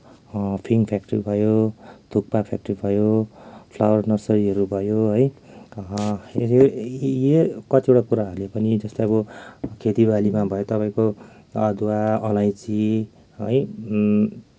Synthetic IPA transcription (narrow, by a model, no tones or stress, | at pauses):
pʰiŋpʰjak̚ʈʌribʱʌjot̪ʰuk̚papʰa̰k̚ʈʌribʱʌjopʰlawʌrnʌsʌɾiɦʌɾubʱʌjoɦʌj | jekʌt̪iewʈakuɾaɦʌɾulepʌnid͡zʌst̪aʌbʌkʰet̪ibalimabʱʌjot̪ʌpaĩko | ʌd̪waʌlajt͡si | ɦʌj